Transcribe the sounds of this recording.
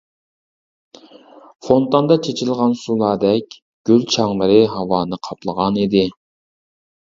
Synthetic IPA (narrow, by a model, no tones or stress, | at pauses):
font̪ɑnd̪ɑt͡ʃʰet͡ʃʰilˠʁɑnsulˠɑːd̪ɛkʲ | ɡ̥ʲylt͡ʃʰɑŋlˠɨɾɨɦɑwɑːnɨqʰɑplˠəʁɑnid̪ɪ